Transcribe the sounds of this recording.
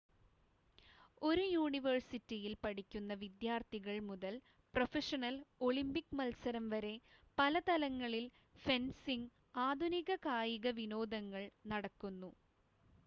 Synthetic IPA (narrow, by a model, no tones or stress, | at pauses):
o̞ɾujuːɳiʋɐrsitːijilpɐɽikʲːunːɐʋid̪jaːrt̪ʰiɣɐɭmuðɐl | profeʂɐnɐlo̞ɭimbikːmɐlsɐɾɐmʋɐɾe̞pɐlɐt̪ɐlɐŋːɐɭil | fensiŋɡ | aːd̪ʱuniɣɐkaːjiɣɐʋino̞ːd̪ɐŋːɐɭnɐɽɐkːunːu